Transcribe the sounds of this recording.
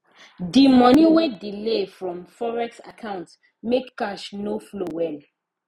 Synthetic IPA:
dimɔniwedilefɹɔ̃mfɔɹɛksa̰kʰãʊ̃nt | mekːaʃnoflowɛl

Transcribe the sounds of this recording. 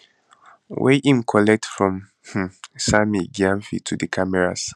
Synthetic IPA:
wɛ̰ʔĩmkʰɔlɛk̚tfɹɔ̃m | h̩samiɡiãɱfḭtʰudəkʰamɛɹa̰s

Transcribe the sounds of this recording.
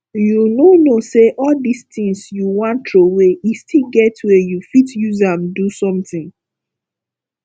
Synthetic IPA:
junonoseʔɔldistĩŋsjuwãntɹowejistilɡɛtwɛjufitjuzãmdusɔ̃mθĩŋ

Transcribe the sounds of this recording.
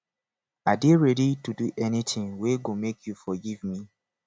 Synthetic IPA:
adeɹɛdituduʔɛnitʰɪ̃ŋweɡomekʰjufɔɡivmi

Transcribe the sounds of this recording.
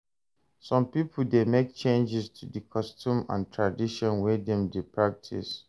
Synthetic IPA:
sɔ̃mpipʰldemek̚t͡ʃẽnd͡ʒɪstʰudikʰɔstʰũmã̰ntʰɹadiʃɔ̃nwɛdɛ̃mdepʰɹak̚tʰḭs

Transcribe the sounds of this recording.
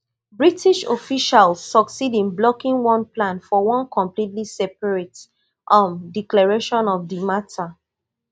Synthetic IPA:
bɹitiʃofiʃalsːɔksidĩnblɔkĩŋwɔ̃nplãnfɔwɔ̃nkʰɔ̃mplitlisɛpaɹet | ʔɔ̃mdiklɛɹeʃɔ̃nɔfdimatʰa

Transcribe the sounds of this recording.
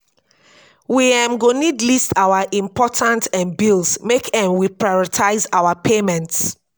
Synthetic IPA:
wiɛ̃mɡonidlistawaʔĩmpʰɔtʰãntɛ̃nbilsmekʰɛ̃mwipɹajɔɹitʰaɪzawapʰemɛ̃nts

